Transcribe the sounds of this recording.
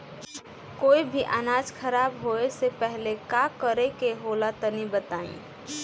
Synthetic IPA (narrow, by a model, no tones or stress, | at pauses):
koːibʱiʔanaːd͡ʒkʰəɾaːbɦoesepɛɦlekakəɾekeɦolat̪ənibət̪aːḭ̃